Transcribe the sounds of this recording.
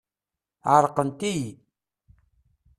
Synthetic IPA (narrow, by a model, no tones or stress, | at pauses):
ʕəɾqənt̪iji